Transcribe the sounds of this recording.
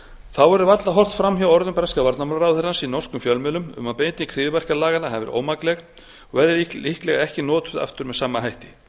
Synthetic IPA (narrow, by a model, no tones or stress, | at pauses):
θawɛɾʏvat̪laɦɔr̥t̪fɾamɦawɔɾðʏmpɾɛskavaɾt̪namaɾɾawθɛɾansinɔr̥skʏmfjœlmɪlʏmʏ̰mawpejnt̪ɪkʰɾɪːðvɛr̥kalaːɣanaɦɛvɪ̰ɾʔo̰ːwmaklɛx | ɔɣvɛðɛɾiihklɛɣaɛhcɪnɔːt̪ʏða̰ft̪ʏɾmɛðsaːmːaɦajht̪ɪ